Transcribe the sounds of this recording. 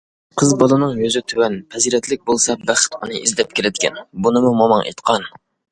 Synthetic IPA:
qʰəzbɑlˠɨnɨŋjøzɪt̪ʰywɛnpʰɛziɾɛt̪lɪk̚ʲbolˠsɑbæχɪ̥t̪unɨʔizd̪ɛp̚kʲʰeɾɪd̪ɪkʲʰɛ̰nbunɨmumɑmɑŋʔḛt̪qʰɑn

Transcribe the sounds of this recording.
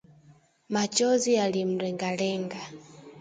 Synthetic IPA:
mat͡ʃɔzialim̩ɾɛŋɡalɛŋɡa

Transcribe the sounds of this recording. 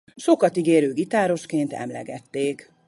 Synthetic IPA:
ʃo̞kɒt̪iɡeːɾøːɡit̪aːɾo̞ʃkeːnt̪ɛ̰mlɛ̰ɡɛt̪ːeːk

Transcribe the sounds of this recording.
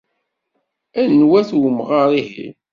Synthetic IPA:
ænnwæθwəmʁaɾˤihḭ

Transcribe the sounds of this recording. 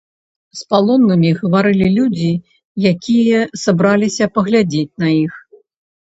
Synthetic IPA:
spalˠɔnːɨmʲiɣɐvaɾɨlʲilʲud͡zʲi | jakʲʰijɐsabɾalʲisʲɐpɐɣlʲad͡zʲet͡sʲnɐix

